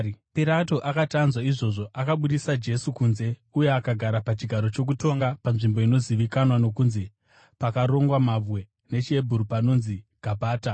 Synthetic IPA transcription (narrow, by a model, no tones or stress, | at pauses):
piɾato̞ʔakatanzwaiʐo̞ʐo̞ʔakaɓuɗisad͡ʒe̞sukunze̞ujeakaɡʱaɾapat͡ʃiɡʱaɾo̞t͡ʃo̞k̬uto̞ŋɡapamʐimbo̞ino̞ziʋikanwano̞kunze | pakaɾo̞ŋɡwamavwe̞ | ne̞t͡ʃie̞bʱuɾupano̞nziɡ̥ʱabʱaːta